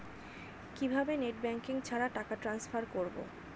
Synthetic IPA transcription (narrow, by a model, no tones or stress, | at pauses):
kibʱabeneʈ̚bɛŋkiŋt͡ɕʰaɾaʈakaʈɾansfaɾkoɾbo̰